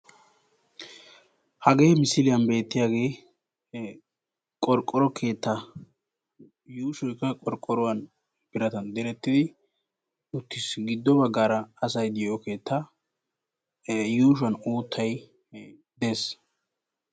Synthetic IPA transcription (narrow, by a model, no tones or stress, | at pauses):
hɐɡe̞ːmɪsɪlɪjɐnbe̞ːt̪ːɪjaːɡe̞ː | kʼɔɾkʼːɔɾɔkʰe̞ːt̪ːɐ | juːʃɔjkːɐkʼɔɾkʼːɔɾɔwɐn | pɪɾɐt̪ɐnd̪ɛɾɛt̪ːɪd̪ɪ | ʊt̪ːɪsɡɪd̪ːɔbɐɡːaːɾɐɐsɐjd̪ɪjɔke̞ːt̪ʰːa | juːʃ̬ʊɐnuːt̪ʰːɐj | d̪e̞ːs